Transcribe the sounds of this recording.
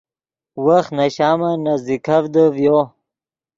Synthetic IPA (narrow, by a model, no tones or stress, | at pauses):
waxnaɕaːmanazikʰavd̪əvjo